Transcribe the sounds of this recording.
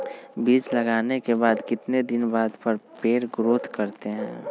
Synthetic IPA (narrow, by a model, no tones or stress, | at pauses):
biːt͡ʃləɡaːnekebaːd̪kɪt̪ned̪ɪnbaːd̪pəɾpeːɾɡɾoːt̪ʰkəɾt̪eɦɛ̰̃ː